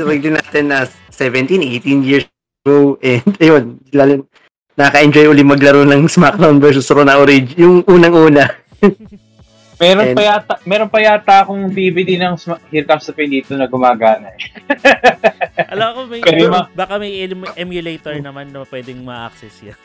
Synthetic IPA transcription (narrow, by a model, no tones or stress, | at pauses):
ɾɛɡ̚lɪnaːt̪ɛnːɐ | sɛvɛ̃nt̪inʔejt̪injiɹs | ɐɡowʔɛnd̪ʔɐjonlalː | ɐkɐʔɛnd͡ʒojʔuːlɪmɐɡlɐɾonɐŋsmak̚d̪awnvɛɹsʊsɾonɐʔoɾɪd͡ʒjʊŋʔuːnɐŋʔuːnɐ | mɛːɾopɐjat̪amɛːɾonpɐjat̪aːkoŋbiːbɪd̪ɪnɐŋsmahiɾkast̪ɐpɪnd̪iːt̪onɐɡʊmaːɡaːnɐt | ʔɐlɐmɐkomɐjɛd̪ɪmɐbaːkɐmɐjɛlmʔɛmjʊlejt̪ɛɹnɐmanːɐpwɛd̪ɛŋmɐʔk̚sɛsjan